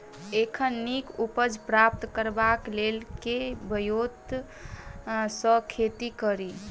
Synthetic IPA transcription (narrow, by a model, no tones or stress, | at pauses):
ekʰənːikupəd͡ʒʱpɾap̚t̪kəɾbaklelkebəjod̪ | səkʰet̪ikəɾi